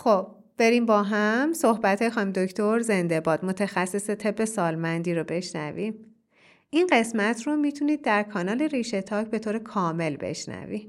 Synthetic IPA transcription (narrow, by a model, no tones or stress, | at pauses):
xob̥̚ | b̥e̞ɾiːmbɒːɦæmso̞hbæt̪ʰɒːjexɒːimd̪oct̪ʰoɾze̞nd̪e̞bɒːd̪̥mo̞t̪ʰæxæsːeset̪ʰe̞bːe̞sɒːlmænd̪iːɾobe̞ʃnæ̰vim | ʔinɢe̞smæt̪ʰromit̪ʰuniːd̪̚ːæɾkʰɒːnɒːle̞ɾiːʃe̞t̪ʰɒːcʰbe̞t̪oːɾekʰɒːme̞lbe̞̰ʃnæ̰vḭ̥